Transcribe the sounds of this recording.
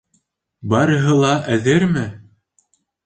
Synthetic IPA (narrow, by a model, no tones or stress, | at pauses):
bɑɾɤ̆ɦɤlˠɑʔæðɘɾmɘ